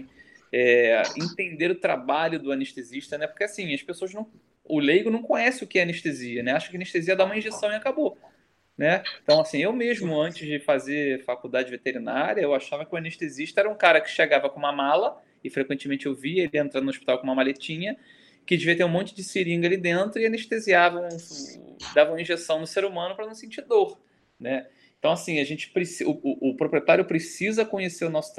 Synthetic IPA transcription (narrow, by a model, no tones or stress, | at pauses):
ɛẽt̪ẽnd̪eɾʊt̪ɾa̰baʎʊd̪ʊaneʃt̪eziʃt̪ɐnɛpo̥keasĩɐʃpesoɐznɐ̃w̃ | ʊlejɡʊnɐ̃w̃kõɲɛsɪʊkɪɛɐneʃt̪eziɐnɛaʃʊ̥kɪɐneʃt̪eziɐd̪aũmɐĩʒesɐ̃w̃iakabo | nɛẽt̪ɐ̃w̃asĩewmeʒmʊɐ̃nt͡ʃɪzd͡ʒɪfazefakuwd̪ad͡ʒɪvet̪eɾina̰ɾʲjiɐewaʃavɐkɪʊaneʃt̪eziʃt̪ɐɛɾɐũkaɾɐkɪ̥ʃeɡavɐkõumɐmalɐ | ɪfɾekwẽnt͡ʃɪmẽnt͡ʃɪewviɐelɪẽnt̪ɾãnʊoʃpit̪awkõũmɐmalet͡ʃĩɲɐ | kɪd͡ʒɪviɐt̪eɾũmõnt͡ʃɪd͡ʒɪsiɾĩŋɡɐalid̪ẽnt̪ɾʊɪaneʃt̪eziavɐ̃ | d̪avɐ̃w̃ɐĩʒesɐ̃w̃d̪ʊseɾumɐ̃nʊpɾɐnɐ̃w̃sẽnt͡ʃid̪oχ | nɛẽt̪ɐ̃w̃asĩɐʒẽt͡ʃɪ̥pɾɪsiʊʊʔːpɾopɾiet̪aɾjʊpɾesizɐkõɲeseɾʊnɔsʊ̥t̪